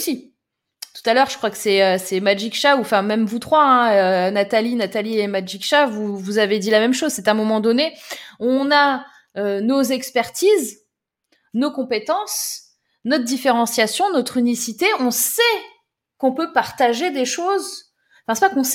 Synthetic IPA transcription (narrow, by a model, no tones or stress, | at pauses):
si | t̪u̥t̪alœʁʒə̥kχwakə̥sɛøsɛmad͡ʒikʃauɑ̃fɛ̃mɛmvut̪χwaɛ̃ønat̪alinat̪aliemad͡ʒikʃavuvuzaved̪ilamɛmʃozsɛt̪ɛ̃mɔmɑ̃d̪ɔneɔ̃na | ønozɛkspɛʁt̪iz | nokɔ̃pet̪ɑ̃s | nɔt̪d̪ifeʁɑ̃sjasjɔ̃nɔt̪χynisit̪eɔ̃sɛ | kɔ̃pøpaʁt̪aʒed̪eʃoz | fɛ̃sɛpakɔ̃s